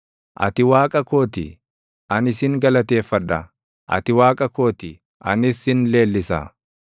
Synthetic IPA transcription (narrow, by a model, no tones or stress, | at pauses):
ʔɐ̰t̪ɪwaːkʼɐko̞ːt̪ɪ | ʔɐnɪsɪŋɡɐlɐt̪e̞ːfːɐᶑɐ̰ | ʔɐ̰t̪ɪwaːkʼɐko̞ːt̪ɪ | ɐ̰nɪsɪnle̞ːlːɪsɐ̰